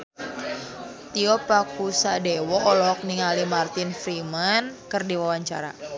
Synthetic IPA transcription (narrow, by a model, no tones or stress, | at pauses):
t̪iɔpakusadewɔʔːlɔɦɔk̚niŋalimart̪infɾimankərdiwawaɲt͡ʃa̰ɾa̰